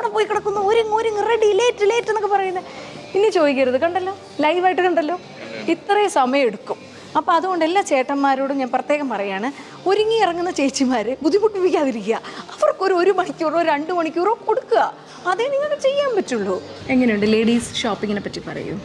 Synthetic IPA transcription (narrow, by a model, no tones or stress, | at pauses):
ɐʋɽɐpoːjikːɐɽɐt̪ːunːɐoɾuŋoɾuŋːreɖileːtːilejtːenːokːɨpɐrɐjunːɐpinːet͡ɕo̞ːðikʲːɐɾɐðɨkɐɳɖɐlːoː | lɐjʋaːjiʈːɨkɐɳɖɐlːo̞ː | it̪ːrɐjsɐmɐjɐmeɽukːum | ɐpːoːɐðuɣo̞ɳɖelːaːt͡ɕe̞ːʈːɐmːaːɾoːɽumɲaːnprɐt̪ːje̞ːɣɐmpɐrɐjaːɳɨ | o̞ɾuŋːiirɐŋːunːɐt͡ɕe̞ːt͡ɕːimaːɾɨbud̪ʱːikuʈːupːikʲːaːðiɾikʲːijɐɐʋɐrkːo̞ɾo̞ɾumɐɳikʲːuːroɾɐɳɖumɐɳikʲːurokːko̞ɽukːuɣɐ | ɐðeniŋːɐɭkːt͡ɕe̞jːaːmpɐtːuɭːoeŋːɐnejuɳɖɨleːɽiːsʂoːpːiŋɡinepːɐtːipɐ̰rɐ̰jṵm